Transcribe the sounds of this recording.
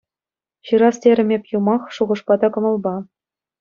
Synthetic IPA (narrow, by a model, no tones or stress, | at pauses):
ɕɯɾɑstʲeɾʲɘ̆mʲepʲjumɑχʂuʁɤ̆ʂpɑd̪ɑkɤ̆mɤ̆lˠbɑ